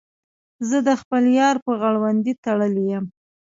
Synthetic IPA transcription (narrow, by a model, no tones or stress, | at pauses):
zəd̪əxpəljɑɾpəɣaɽwand̪it̪aɽəlijəm